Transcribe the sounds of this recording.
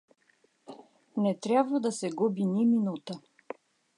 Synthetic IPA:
nɛt̪ɾʲjabvəd̪ɐsɛɡubiniminut̪ə

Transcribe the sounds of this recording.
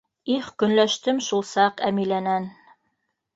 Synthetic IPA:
iχkɵ̆nlæʃt̪ɘmʃulˠsɑqæmilænæn

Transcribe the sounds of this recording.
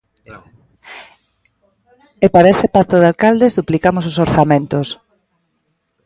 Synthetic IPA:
epaɾaesepat̪oðealkald̪ezðuplikamososoɾθamẽnt̪os

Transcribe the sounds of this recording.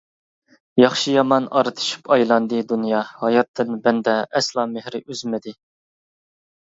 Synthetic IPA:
jɑχʃijɑmɑnʔɑ̰ɾɨt̪ʰɨ̥ʃy̥pɑjlˠɑnd̪ɨd̪unjɑhɑjɑt̪ʰːɨnbɛnd̪ɛɛslˠɑːmɪhɾɪʔyzmɪd̪ɪ

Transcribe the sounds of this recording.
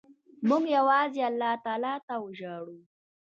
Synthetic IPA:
mʊɡjawɑzealːɑt̪ɑːlɑt̪awəʒaɽu

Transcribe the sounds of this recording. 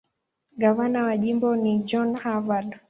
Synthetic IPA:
ɡavanawaʄimbɔnid͡ʒɔnhavad

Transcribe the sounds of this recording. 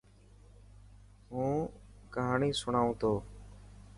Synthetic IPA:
ɦũːkəɦaːɳiːsʊɳaːũːt̪ʰoː

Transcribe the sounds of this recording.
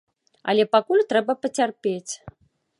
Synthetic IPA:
ɐ̰lʲɛpakulʲt̪ɾɛbɐpɐt͡sʲarpʲet͡sʲ

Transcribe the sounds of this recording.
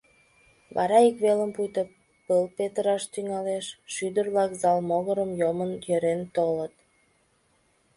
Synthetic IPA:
βɑ̰ɾɑikβeləmpujt̪ə | pəlpet̪əɾɑʃt̪yŋɑleʃʃyd̪ərβlɑkzɑlmoɣəɾəmjomənjøɾent̪olət̪

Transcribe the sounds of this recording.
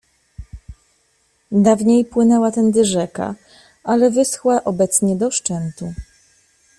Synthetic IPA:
d̪avɲejpwɘnɛwat̪ɛnd̪ɘʐɛka̰ | alɛvɘsxwaʔɔbɛt̪sɲɛd̪ɔʂt͡ʂɛnt̪u

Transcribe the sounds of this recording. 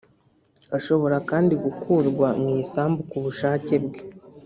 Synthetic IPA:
aʃo̞βo̞ɾakaːndiɡukʰuːɾɡwamŋiːsaːmbukuβuʃaːce̞bɡe̥

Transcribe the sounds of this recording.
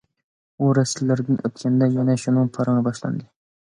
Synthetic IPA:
ʊɾasɪlːaɾd̪ɪnʔɵt̪̚kʲʰand̪ajanaʃʊnɪŋpʰɑɾɑnɪbɒʃla̰nd̪ɪ

